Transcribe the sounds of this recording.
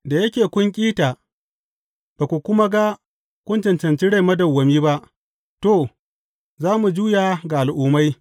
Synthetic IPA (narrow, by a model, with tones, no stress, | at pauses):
da˨jɐ˦kʲeː˨kʷʊ˦ŋkʲʼiː˦taː˨ | b̥a˨kʷu˨kʷʊ˦ma˦ɡa˦ | kʷʊ˦nt͡ʃɪ˨nt͡ʃɐ˨nt͡ʃi˦ɽa˦˨mɐ˦dɐ˨wːɐ˨miː˦ba˦ʔ | to˦˨ | zaː˦mu˨d͡ʒuː˦ja˨ɡa˨a˨lʔuː˨ma˦j